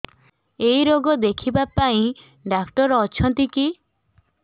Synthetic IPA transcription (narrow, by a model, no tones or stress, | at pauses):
ejɾoɡɔd̪ekʰibapaĩ | ɖakʰʈɔɾɔt͡ʃʰɔnt̪iki